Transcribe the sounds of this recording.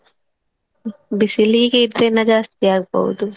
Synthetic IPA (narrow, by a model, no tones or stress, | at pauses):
bisiliked̪ɾenɐd͡ʒast̪ijak̚bo̰d̪u